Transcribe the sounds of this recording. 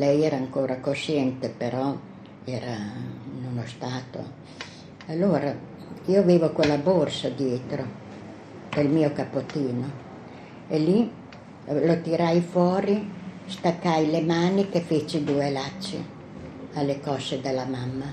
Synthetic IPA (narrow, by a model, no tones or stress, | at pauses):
lɛjɛːɾaːŋkoːɾakoʃɛnt̪epeɾɔ | ɛːɾanonost̪aːt̪o̰ | alːoːɾa | iːoaveːvokwelːaborsad̪jeːt̪ɾo | d̪̥elmiːokapːot̪iːno | eli | lot̪iɾajfwɔːɾist̪akːajlemaːnikefet͡ʃid̪uːelat͡ʃːḛ | alːekɔsːed̪elːamamːa